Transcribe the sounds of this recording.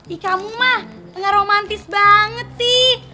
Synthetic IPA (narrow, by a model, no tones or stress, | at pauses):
dikamumah | əŋaɾomant̪ɪsbaŋət̪̚si